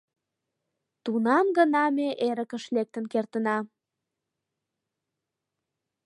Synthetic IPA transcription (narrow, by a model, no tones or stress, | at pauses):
t̪unɑmɡənɑmeʔeɾəkəʃlek̚t̪ə̆nkert̪ənɑ